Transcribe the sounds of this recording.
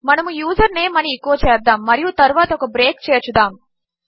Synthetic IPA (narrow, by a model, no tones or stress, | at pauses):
mɐnɐmujuːzɐɾneːmɐniikːuʋɐt͡ʃɛːɾd̪aːmːɐɾijut̪ɐɾuʋaːt̪ɐɔkɐbɾeːkt͡ʃɛːjɐt͡ʃud̪aːm